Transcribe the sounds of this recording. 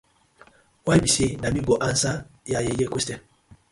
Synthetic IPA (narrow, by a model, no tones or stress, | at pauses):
wajbisenamiɡɔʔansajajejekestɛ